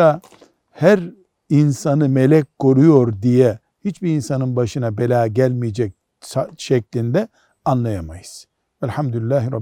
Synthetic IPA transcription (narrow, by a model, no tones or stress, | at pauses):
a | hæɾ | insanɯme̞lʲɛc̚ʲkʰːo̞ɾujo̞ɾd̪ijɛ | hit͡ʃbiinsanɯnbaʃɯnabelʲaːɟælʲmijed͡ʒɛc̚ | saʃɛclʲind̪ɛ | anlˠajamajɯz̥ | vɛlʲħamd̪ulʲilːæːɦiɾɑb